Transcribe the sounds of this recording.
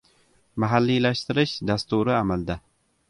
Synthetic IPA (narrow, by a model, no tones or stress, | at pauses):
maɦalːilaʃt̪ɪɾɪʃd̪ast̪uɾɪamald̪a